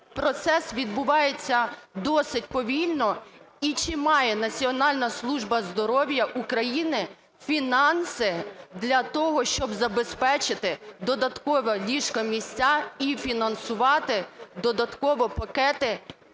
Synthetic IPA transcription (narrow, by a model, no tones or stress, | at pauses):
pɾɔt̪sɛsʋʲid̪̚bʊʋɑjet͡sʲːɐd̪ɔsɪt̚ʲpɔʋʲilʲnɔ | it͡ʃɪmɑjɛnɐt͡sʲiɔnɑlʲnɐslˠuʒbɐzd̪ɔɾɔwjɐʔukɾɐjinɪ | fʲinɑnsɪd̪lʲɐt̪ɔɦɔʃt͡ʃɔbzɐbespɛt͡ʃɪt̪ɪd̪ɔd̪ɐt̪kɔʋɐlʲiʃkɐmʲisʲt͡sʲaifʲinɐnsʊʋɑt̪ɪd̪ɔd̪ɐt̪kɔʋɔpɐkɛt̪ɪ